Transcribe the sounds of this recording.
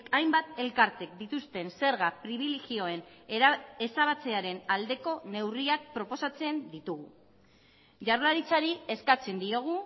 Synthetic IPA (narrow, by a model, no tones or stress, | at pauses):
kajmbat̪e̞lkaɾt̪e̞k̚d̪it̪ust̪e̞nse̞ɾɣapɾiβ̞ile̞ɣio̞e̞n | esaβat͡se̞aɾe̞nald̪e̞ko̞ne̞wriak̚pɾo̞po̞sat͡se̞nd̪it̪uɣṵ | ʝarlaɾit͡saɾie̞skat͡se̞nd̪io̞ɣ̞u